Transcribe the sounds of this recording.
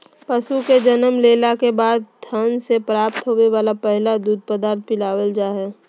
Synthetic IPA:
pəsuked͡ʒənəmleːlakebaːd̪̚t̪ʰənsepɾaːpt̪ɦoːʋeʋaːlapɛɦlad̪uːd̪̚pəd̪aːɾt̪̚ʰpɪlaːwəld͡ʒaːɦɛ

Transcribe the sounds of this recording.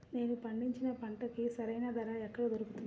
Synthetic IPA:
ne̞ːnupɐɳɖiɲt͡ʃinɐpɐɳʈɐkisɐɾɐjnaːd̪ɐɾaːɛkːɐɽɐd̪oɾukut̪unːa

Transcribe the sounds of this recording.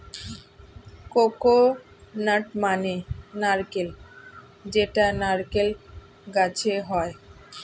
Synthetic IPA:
koko | naʈmanenaɾkel | d͡ʑeʈanaɾkel | ɡat͡ɕʰeɦɔe

